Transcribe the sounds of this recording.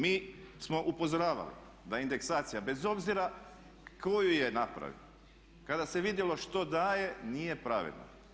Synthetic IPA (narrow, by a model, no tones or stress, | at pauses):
miːsmo̞ʔupo̞zoɾaːʋa̰lḭ | d̪aind̪e̞ksaːt̪sijabe̞zo̞bziɾa | ko̞juje̞napɾa̰ʋḭlo | kad̪ase̞ʋid̪jelo̞ʃt̪o̞d̪aːje̞nije̞pɾaʋḛd̪no̰